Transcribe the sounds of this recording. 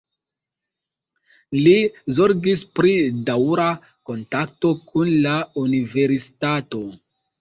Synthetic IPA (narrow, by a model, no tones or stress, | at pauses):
lizoɾɡispɾidawɾa | ko̞ntak̚to̞kʰunlaunive̞ɾisi̥tato̞